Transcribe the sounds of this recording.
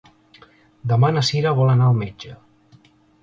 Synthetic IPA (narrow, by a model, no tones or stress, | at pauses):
d̪əmanəsiɾəβɔlənaəlˠmed͡ʒə